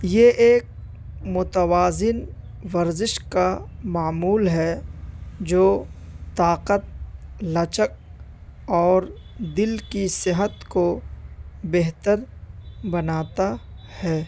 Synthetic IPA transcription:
jeʔeːk̚ | mʊt̪əwaːzɪn | ʋəɾzɪʃkamaːmuːlɦɛ | d͡ʒoːt̪aːqət̪̚lɐt͡ʃək̚ | ɔːɾd̪ɪlkisɪɦət̪ko | beɦt̪əɾbɐnaːt̪ahɛː

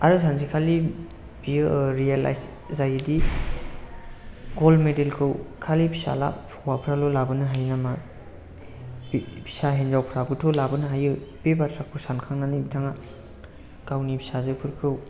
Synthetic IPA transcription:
aɾɯsʰanzikʰali | biɯɾiala̰js | zajɯdi | ɡolmedelkʰɯwkʰalipʰi̥sa̰la̰pʰ | wapʰɾalolabɯnɯɦajnama | pʰi̥saɦenzawpʰɾabɯtʰolabɯnɯɦajɯbebatʰɾakʰɯsankʰaŋnanibitʰaŋa | kawnipʰisazɯpʰuɾkʰɯw

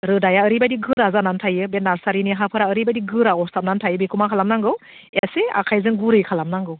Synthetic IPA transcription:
ɾɯdajaəɾibadiɡɯɾazanantʰajɯbenaɾsaɾiniɦapʰɯɾaəɾibadiɡɯɾaɔsap̚nantʰajɯbekʰumakʰalamnaŋɡɯw | asea̰kʰajzɯŋɡuɾɯjkʰalamnaŋɡɯw

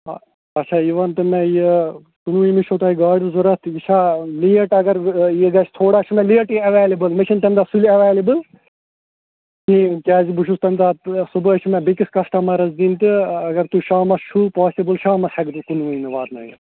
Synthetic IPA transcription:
ɐt͡ʃʰaːiʋɐnt̪ɨmeje | kunuʋĩmiʃʰot̪ɐiɡaːɽuzuɾɐt̪ʰjiʃʰaːlijɐʈɐɡɐɾjeɡɐt͡ʃʰt̪ʰoːɽat͡ʃʰumẽlijɐʈiɐʋeːlibɨlmit͡ʃʰɐnt̪ɐnʲd̪asuliɐʋeːlibɨl | nĩkʲaːzibuʃust̪ɐnd̪asubəːt͡ʃʰmẽbikiskɐsʈɐmɐɾɐzd̪iːnt̪ɨɐɡɐɾt̪uʃaːmɐst͡ʃʰupaːsibɨlʃaːmɐsɐɡd̪ukunʋɐinɨʋaːt̪nɐ̰ːjɐ̰

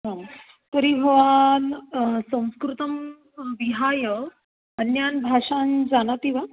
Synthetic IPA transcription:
ɦã | t̪əɾibʱəʋansə̃w̃skɾut̪əm | ʋiɦajə | ənjanbʱaʂand͡zanat̪iʋa

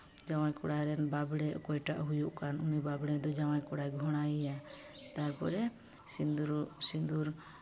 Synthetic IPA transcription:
d͡ʒawajkɔɽajɾɛnbabɽɛɔkɔjʈaʔɦujuʔkanunibabɽɛd̪ɔd͡ʒawajkɔɽajɡʱɔɽ̃ajja | t̪aɾpɔ̰ɾɛ | sind̪uɾusind̪uɾ

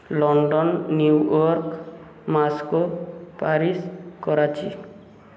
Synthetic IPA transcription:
lɔɳɖɔnːuwɔɾk | maskopaɾiskɔɾat͡ʃʰḭ

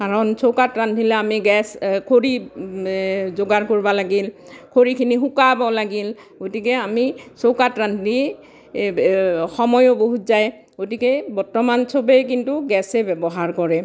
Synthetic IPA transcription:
kaɹɔnsokatɹantilɛamiɡɛskʰoɹi | zoɡaɹkoɹibɔlaɡilkʰoɹikʰinixukabɔlaɡil | ɡotikɛamisowkatɹanti | xɔmɔjɔboɦutzaj | ɡotikɛbɔɹtɔmansobɛjk̬intuɡɛsɛbɛbɔɦaɹkɔɹɛ

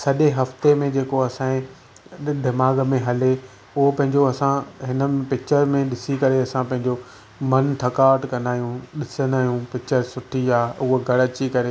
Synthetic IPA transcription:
sɐʄeɦɐft̪emẽd͡ʑeːkoɐsãːĩ | d̪ɪmaːɡmẽɦɐle | ʊɦopɐ̃ɦɪ̃ɲd͡ʑoɐsãɦɪnəmẽpɪk̚t͡ɕəɾmẽɗɪsikɐɾeɐsãpɐ̃ɦɪ̃ɲ̆d͡ʑo | mɐnt̪ʰɐkaːʈkɐ̃nd̪aːjũɗɪsənd̪aːijũpɪk̚t͡ɕəɾsʊʈʰiaːʊɦɡʱɐɽət͡ɕikɐɾe

